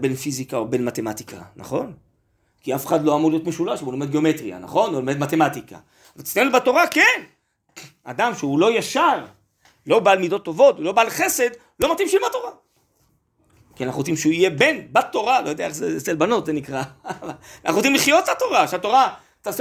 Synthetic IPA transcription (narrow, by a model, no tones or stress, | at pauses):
be̞nfizikaobe̞nmat̪e̞mat̪ika̰na̰χo̞n | kiafeχad̪lo̞amuʁdlijo̞t̪meʃulaʃebolomed̪ɡeo̞me̞t̪ʁia̰na̰χo̞nolomed̪mate̞mat̪ika̰ | valt̪isnaenubato̞ʁaken | a̰d̪amʃeulo̞jaʃal | lo̞balmid̪o̞t̪ːo̞vo̞tulo̞balχe̞se̞d̪ | lo̞mat̪imʃeimbat̪o̞ʁa | kinaχut͡simʃeuije̞be̞nbat̪o̞ʁalojodeaeχzeselbanot̪zenikʁavalna̰χuot͡simliχjo̞t̪tat̪o̞ʁaʃeat̪o̞ʁa | t̪as